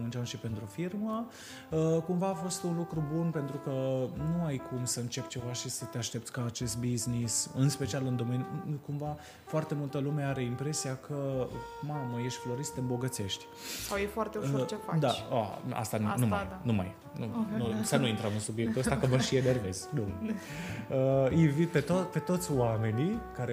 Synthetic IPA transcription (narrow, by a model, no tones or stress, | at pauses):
mɨnt͡ʃamʃipe̞nt̪ɾufirmə | əkumvaːfo̞st̪unlukɾubunpe̞nt̪ɾukənuajkʰumsəɨnt͡ʃe̞pʲt͡ʃe̞vaʃisət̪eaʃt̪e̞p̚t̪sʲkaːt͡ʃe̞st̪̚biznisɨnspe̞t͡ʃialɨnd̪o̞menʲkumva | foart̪e̞mult̪əlume̞aɾe̞impɾe̞siakʰəmaməje̞ʃt̪ʲflo̞ɾisət̪embo̞ɡət̪se̞ʃt̪ʲ | sawjefoart̪eot͡ʃefad̪aaa̰st̪anumaj̪numa̰j | nunusənuint̪ɾəmɨnsubjek̚t̪uəst̪akəməʃienerveznu | əivipet̪ope̞t̪o̞t̪sʲwame̞nikaɾe